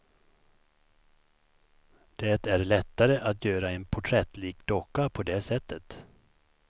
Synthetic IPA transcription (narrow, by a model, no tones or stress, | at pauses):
d̪̥ɛt̪æɾɭɛt̪ːaɾəʔat̪jøːɾaɛnpʰʊʈʰɾɛt̪liːk̚d̪ɔkːapʰɔd̪ɛːsɛt̪ːət̪